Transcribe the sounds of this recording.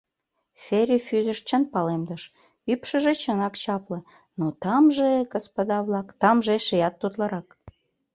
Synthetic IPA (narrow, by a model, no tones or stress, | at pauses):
xeɾʲyfyzəʃt͡ɕənpɑlemd̪əʃ | ypʃəʒet͡ɕənɑkt͡ɕɑplə̆ | not̪ɑmʒeɡospod̪ɑβlɑkt̪ɑmʒeʃejɑt̪ːut̪lɑɾɑk